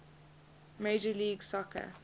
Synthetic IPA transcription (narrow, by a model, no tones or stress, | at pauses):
meɪd͡ʒəliːɡsɔkʰə̰